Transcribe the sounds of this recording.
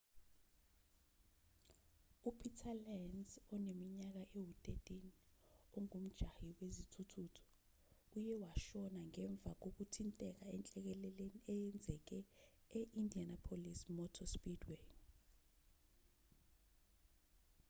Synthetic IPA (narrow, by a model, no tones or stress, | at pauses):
upʰitʰalɛnzɔnemiɲak̬aʔewutʼetʼiniɔŋum̩d̥ʒ̥ʱahiwezitʰutʰutʰu̥ | ujɛwaʃɔnaŋɛɱb̪vʱak̬ok̬utʰintʼɛk̬aɛnt͡ɬʼɛk̬ɛlɛleniɛjɛnd͡zʱɛk̬ɛɛʔindʱianapʰolismɔtʰɔspidwen